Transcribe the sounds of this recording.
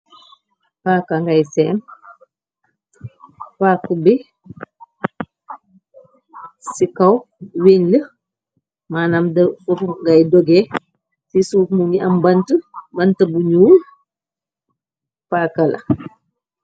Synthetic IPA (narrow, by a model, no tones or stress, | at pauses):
paːkaŋɡajsɛːm | paːkubi | sikɐw | weɲlə | maːnamdəfɔfuŋɡajdɔɡɛ | sisuːfmuɡiɐmbɐntəbɐntɐbuɲuːl | pakɐlɐ̰